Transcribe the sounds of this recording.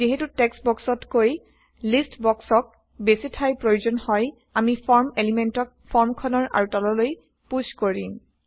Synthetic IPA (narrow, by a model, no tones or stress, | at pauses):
ziɦetutɛksbɔksɔtkoj | listbɔksɔk̚ | besitʰajpɹojuzɔnhɔj | amipʰɔɹmelimentɔk̚pʰɔɹmkʰɔnɔɹʔa̰ɹutɔlɔloj | puskoɹim